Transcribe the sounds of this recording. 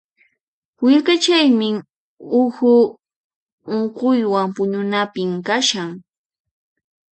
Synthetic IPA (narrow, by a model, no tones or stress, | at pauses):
wɪʎkat͡ʃajmɪ | ʊxʊ | oɴqʊjwampʊɲʊnapɪmkaʃaŋ